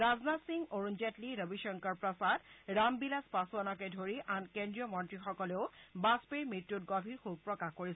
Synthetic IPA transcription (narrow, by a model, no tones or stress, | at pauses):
ɹaznatsiŋɡoɹunzɛtliɹəbiʃɔŋkɔɹpɹɔsadɹambilaspasuanɔkɛdʱoɹiʔankɛndɹijɔmɔntɹixɔkɔleʊbaspeɹmitːutɡɔbʱixuɡ̚pɹɔkaxkoɹisɛ